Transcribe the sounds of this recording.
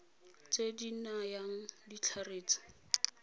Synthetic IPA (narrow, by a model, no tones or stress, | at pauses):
t͡sedinajaŋ̩dit͡ɬʰareːt͡sḁ